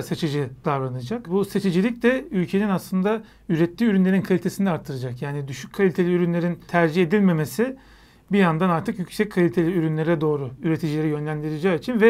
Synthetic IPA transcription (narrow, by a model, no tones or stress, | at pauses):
set͡ʃʰɯd͡ʒɯd̪avɾanɯd͡ʒakbuset͡ʃʰed͡ʒilʲic̚d̪ɛylʲcʰe̞ninaslˠɯnd̪a | yɾɛt̪ʰːiːyɾynlʲe̞ɾinkʰalʲit̪e̞sind̪ɛaɾt̪ʰːɯɾɯd͡ʒakjaːnid̪yʃyc̚ʲkʰalʲit̪ʰe̞lʲiyɾynlʲeɾint̪ʰæɾd͡ʒiçe̞d̪ilʲme̞me̞sɪ | bijand̪anaɾt̪ʰɯkjycʲsɛc̚kʰalʲit̪ʰe̞lʲiyɾynlʲeɾɛd̪o̞ːɾʊyɾe̞t̪ʰid͡ʒilʲeɾijø̞nlʲæmd̪iɾed͡ʒaːit͡ʃʰinvɛ